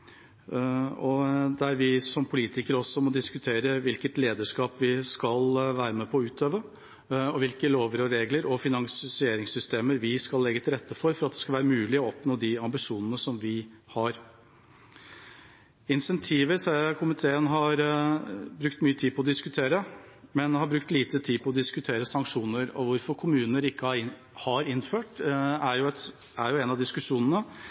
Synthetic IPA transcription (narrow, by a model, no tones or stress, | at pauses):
ɔd̪ɛæɾʋɪsɔmpʰʊliːt̪ɪkəɾəɔsːɔmɔd̪ɪskʉt̪ʰeːɾəʋɪlkət̪leːd̪əʂkɑːpʋɪskɑlʋæːɾəmɛpʰɔːʉːt̪ʰøːʋə | ɔʋɪlkəloːʋəɾɔɾeːɡləɾɔfɪnɑŋssɪeːɾɪŋsʏst̪eːməɾʋɪskɑlːɛɡːət̪ʰɪlɾɛt̪ʰːəfɔɾfɔɾɑt̪̚d̪ɛskɑʋæːɾəmʉːlɪɔɔpnoːd̪ɪɑmbɪʂuːnənəsɔmʋɪhɑɾ | ɪnsɛnt̪ʰiːʋəsækʰʊmɪt̪ʰeːənɦɑɾ | bɾʉkt̪myːət̪ʰiːpʰɔd̪ɪskʉt̪ʰeːɾə | mɛnhɑbɾʉk̚t̪liːt̪ət̪ʰiːpʰɔɔd̪ɪskʉt̪ʰeːɾəsɑŋkʂuːnəɾɔ̰ʋʊɾfɔɾkʰʊmʉːnəɾɪkːəɑ | hɑɾɪnːføːʈæɾjʊɛt̪ | æɾjʊɛnɑd̪ɪskʉʂuːnənə